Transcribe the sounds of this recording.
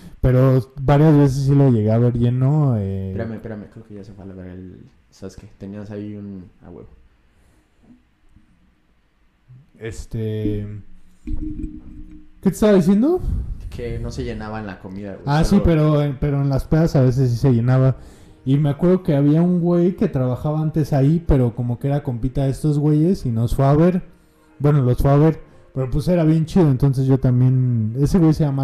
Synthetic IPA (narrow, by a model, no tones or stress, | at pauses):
pe̞ɾo̞baɾjazβes̬es̬ːiloʝe̞ɣeaβe̞ɾʝeno̞epeɾamepeɾamekɾeokeʝasefwealoɣaɾḛl | saβesket̪eniasaiuna̰ɣwḛβo | est̪e | ket̪est̪aβaðis̬je̞nd̪o̞kenoseʝenaβaela̰komiða̰asipe̞ɾo̞epe̞ɾo̞enlaspeðasaβe̞s̬e̞s̬ːise̞ʝe̞naβa | ime̞akwe̞ɾð̞o̞ke̞aβiauŋɡwe̞jke̞t̪ɾaβaxaβaant̪e̞saipe̞ɾo̞ko̞mo̞kee̞ɾako̞mpit̪aest̪o̞zɣwe̞ʝe̞sino̞sfweaβe̞ɾ | bwe̞no̞lo̞sfweaβe̞ɾ | pe̞ɾo̞p̬ese̞ɾaβje̞nt͡ʃiðo̞e̞nt̪o̞ns̬e̞zʝo̞t̪ambje̞ne̞seɣwe̞jseʝama